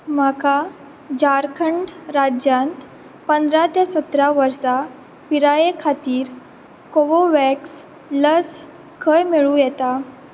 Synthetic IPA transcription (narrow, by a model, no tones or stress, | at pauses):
maka | d͡ʑaɾkʰəɳɖɾad͡ʑjãnt̪ | pənd̪ɾat̪esət̪ɾaʋəɾsa | piɾajekʰat̪iːɾ | koʋoʋɛks | ləs | kəjmeɭũjɛt̪a